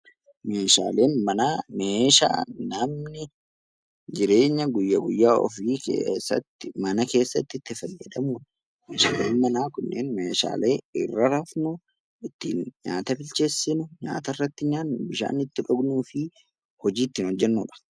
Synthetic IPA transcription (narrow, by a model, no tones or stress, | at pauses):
me̞ːʃa̰ːle̞ːnmɐnaːmeːʃa̰ːnɐmnɪ | d͡ʒɪɾe̞ːɲːɐɡʊjːɐɡʊjːaːʔɔ̰fiːkḛːsːɐ̰t̪ːɪmɐnɐke̞ːsːɐt̪ːɪt̪ːɪfɐjːɛd̪ɐmuːᶑ | meːʃaːlḛːnmɐnaːkʊnːʔeːnmeːʃa̰ːle̞ːɪ̰rːɐɾɐfnʊ | ɪt̪ːḭːnɲa̰ːt̪ɐbɪlt͡ʃe̞ːsːɪnʊɲa̰ːt̪ɐrːɐt̪ːɪɲaːnbɪʃa̰ːnɪt̪ːɪᶑɔɡnuːfɪ | hɔd͡ʒiːt̪ːɪːnɔd͡ʒːɛnːuːᶑɐ̥